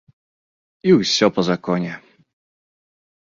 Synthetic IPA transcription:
iwsʲɔpɔzakɔɲɛ

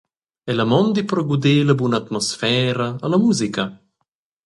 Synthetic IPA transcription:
ɛlamɔnd̪ipɾɔɡud̪eːlabunaːt̪mɔsfɛːɾaːlamuːzika

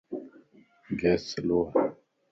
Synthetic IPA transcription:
ɡɛsəloa

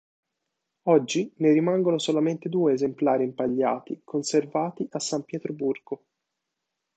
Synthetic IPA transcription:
ɔd͡ʒːineɾimaŋɡonosolament̪ed̪uːeːzemplaːɾimpaʎːa̰ːt̪ikʰonservaːt̪iʔasːampjɛːt̪ɾoburɡo

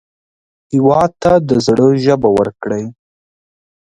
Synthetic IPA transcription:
hɪwɑd̪̚t̪ad̪əzɽəʒəbawəɾkɽəj

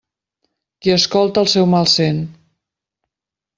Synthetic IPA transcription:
kiəskɔlˠt̪əlˠsɛwmalˠsen

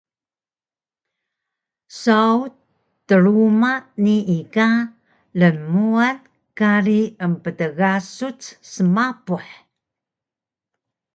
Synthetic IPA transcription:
sau | tːəɾumaniika | ləmuan | kaɾiəmpətəɣasut͡ssəmapuħ

